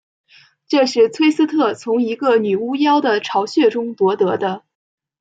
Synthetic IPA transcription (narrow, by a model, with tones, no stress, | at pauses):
ʈ͡ʂɤ˥˧ʂɻ̩˥˩t͡sʰwe˥ɪsɹ̩˥t̪ʰɤ˥˩t͡sʰʊ˧˥ŋi˧˥ɡə˧ny˨˩u˥jɑ˥ʊd̪ə˨ʈ͡ʂʰɑ˧˥ʊɕɥɛ˥˩ʈ͡ʂʊ˥ŋpwɔ˧˥t̪ɤ˧˥d̪ə˧